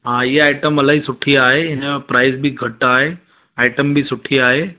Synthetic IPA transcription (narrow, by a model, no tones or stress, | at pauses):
ɦãjeajʈəmːəlaɦiːsuʈʰiːaɦeenepɾajsbʱiːɡʱəʈːaːɦe | ajʈəmbʱiːsuʈʰiːaɦe